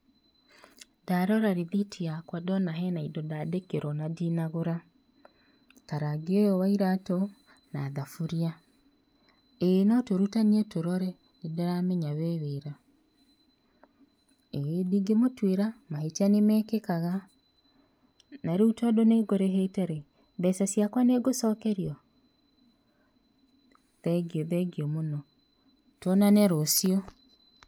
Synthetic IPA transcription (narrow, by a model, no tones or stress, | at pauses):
daɾɔɾaɾeðitʰiakwadɔnaɦɛnaidɔdadekeɾɔnadinaɣoɾa | taɾaɡeɔjɔwaiɾatɔ | naːðafuɾia | enɔtoɾutaniɛtoɾɔɾɛ | idɔɾamɛɲaβɛβeɾa | ediɡemotweɾamahetianemɛːkekaɣa | naɾeutwadoneɡoɾeɦetɛɾe | ðɛsasiakwaneɡosɔːkɛɾjɔ | ðɛɡiɔðɛɡiɔmonɔ | twɔnanɛɾosiɔ